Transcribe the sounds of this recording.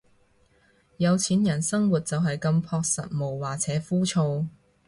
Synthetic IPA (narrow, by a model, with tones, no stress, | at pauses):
jɐ˨˧wt͡sʰiː˨˥njɐ˨˩nsɐ˥ŋwuː˨˩t̚t͡sɐ˨wɦɐ˨jkɐ˧mpʰɔː˧k̚sɐ˨t̚mo˨˩wwaː˨k̚t͡sʰɛː˨˥fuː˥t͡ʃʰo˧w